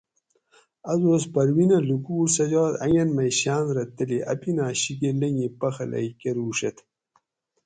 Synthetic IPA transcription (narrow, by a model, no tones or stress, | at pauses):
ɐzoːspɐɾwinɐlukuːɾsɐd͡ʑaːt̪ɐŋɐnmɐjɕaːnɾɐt̪ɐliʔɐ̰pinaːɕiɡelɐŋipɐxɐlɐ̰jkeɾuːʂɐt̪ʰ